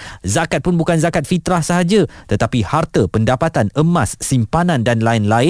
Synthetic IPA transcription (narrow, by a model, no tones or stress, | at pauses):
zakat̪̚punbukanzakat̪̚fit̪ɾahsəɦad͡ʒat̪ət̪apihart̪əpəndapat̪anəmasːimpanãndanlaɪnlaɪ